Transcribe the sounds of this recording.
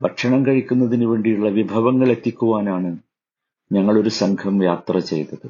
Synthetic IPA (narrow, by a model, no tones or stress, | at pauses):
bɐkʂɐɳɐmkɐɻikʲːunːɐðinuʋe̞ːɳɖijuɭːɐʋibʱɐʋɐŋːɐɭe̞t̪ːikʲːuʋaːnaːɳɨ | ɲɐŋːɐɭo̞ɾusɐŋkʰɐmjaːt̪rɐt͡ɕe̞̰jt̪ːɐðɨ